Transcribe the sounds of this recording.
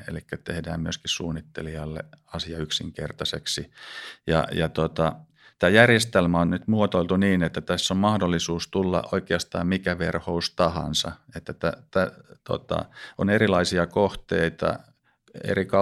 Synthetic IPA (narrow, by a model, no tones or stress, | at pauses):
ḛlikːæt̪ehdæːmmyøskissuːnːit̪ːeliɑlːḛɑsiɑyksiŋkḛrt̪ɑseksijɑ̰jɑt̪ot̪ɑ | t̪æːjærjest̪elmæonnyt̪muot̪oilt̪uniːnet̪ːæt̪æsːommɑhdolːisuːst̪ulːɑ̰ʔʔoikeɑst̪ɑːmmikæʋerhoust̪ɑhɑ̰nsɑ̰et̪ːæt̪æt̪æt̪o̰t̪ɑ̰onerilɑisiɑkoht̪eit̪ɑ̰ | ḛrikɑ